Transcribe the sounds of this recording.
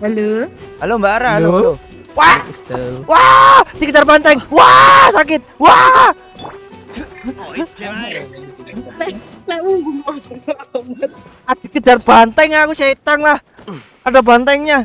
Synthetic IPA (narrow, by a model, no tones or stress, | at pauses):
ɦaloalombaɾaloo | wahwad̪ikədd͡ʒarbant̪ɛŋwasakɪt̪̚wa | lɛ | lɛwuŋɡum | ad̥i̤kə̥d͡ʒ̥arb̥ant̪ɛŋakusait̪aŋlah | adabant̪ɛŋɲa